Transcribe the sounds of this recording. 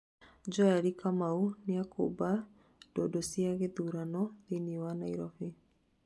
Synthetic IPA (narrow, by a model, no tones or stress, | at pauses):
d͡ʒɔaɾikamaunɪako̰ba | d̥ɔdɔsiaɣeðuɾanɔðiniwanaiɾɔfi